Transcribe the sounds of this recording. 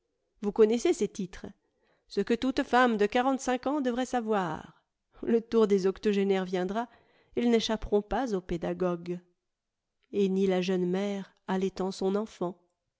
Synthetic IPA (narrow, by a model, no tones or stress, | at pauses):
vukɔnɛseset̪it̪χə | səkət̪ut̪famd̪əkaʁɑ̃t̪sɛ̃kɑ̃d̪əvʁɛsavwa̰ʁ | lət̪uʁd̪ezɔkt̪ɔʒenɛʁvjɛ̃d̪ʁa | ilneʃapʁɔ̃pazoped̪aɡɔɡ | enilaʒənmɛʁ | alɛt̪ɑ̃sɔ̃nɑ̃fɑ̃